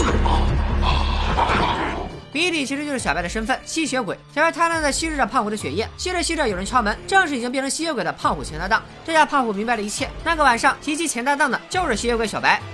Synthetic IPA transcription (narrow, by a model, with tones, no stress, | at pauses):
mi˧˥i˥˩t̪i˨˩t͡ɕʰi˧˥ʂɻ̩˧˥t͡ɕo˥˧ʊʂ̩˥˩ɕɑ˨˩pa˥ɪə˧ʂə˥nfə˥˩nɕi˥ɕɥɛ˧˥kwe˨˩˦ɪt͡ɕʰɛ˧˥wa˥˩ɪt̪ʰa˥n˥˧t͡s̪ɪɕi˥ɻ̩˥˩ə˥˩pʰɑ˥˩ŋxu˧˩d̪ə˧ɕɥɛ̰˨˩jɛ˥˩ɕi˥jɛ˥ə˧˩ɕi˥ʈ͡ʂə˥˩jo˨ʊɻə˧˥nt͡ɕʰjɑ˥ʊmə˧˥nʈ͡ʂɤ˥˧ŋʂɻ̩˥˩i˨˩t͡ɕi˥ŋpjʰɤ˧˥ɕi˥jɛ˧˥kwe˨˩ɪd̪ə˦pʰɑ˥˧ŋxu˨˩t͡ɕʰɛ˧˥nt̪a˥˧t̪ɑ˥˩ŋʈ͡ʂɤ˥˧ja˥pʰɑ˥˩˧xu˨˩mi˧˥ŋ˥ba˧ɪlə˧i˧˥t͡ɕʰjɛ˥˩na˥˩ɡə˩wa˨˩nʂɑ˥˩ŋt̪ʰi˧˥t͡ɕʰi˥t͡ɕʰjɛ˧˥nt̪a˥˧t̪ɑ˥˩ŋd̪ə˩t͡ɕjo˥˧ʊʂɻ̩˥˩ɕi˥jɛ˧˥kwɪɕjɑ˨˩ʊpa˧˥ɪ